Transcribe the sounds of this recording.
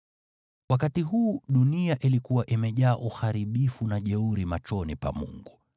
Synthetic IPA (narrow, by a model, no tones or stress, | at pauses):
wakatiɦuːɗuniaʔilikuwaʔimɛʄaːʔuxaɾiɓifunaʄɛuɾimat͡ʃɔnipa̰mṵŋɡu